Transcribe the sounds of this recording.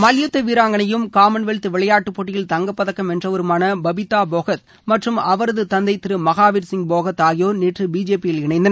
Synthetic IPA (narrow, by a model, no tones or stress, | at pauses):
mɐljɯt̪ːɐʋiːɾaːŋɡɐɳɐjɯmkaːmɐnʋeɭt̪ːɯʋɪɭɐjaːʈːɯpːoːʈːɪjɪlt̪ɐŋɡɐpːɐðɐkːɐmɛndrɐʋɐɾɯmaːnɐbɐbɪt̪ːaːboːɣɐt̪̚ | mɐʈrɯmɐʋɐɾɐðɯt̪ɐnd̪ɐɪt̪ːɪɾɯmɐɣaːʋiɾsɪŋɡ̚boːɣɐt̪aːɣɪjoːneːʈrɯbiːd͡ʒeːpɪjɪlɪɳɐɪnd̪ɐnɐ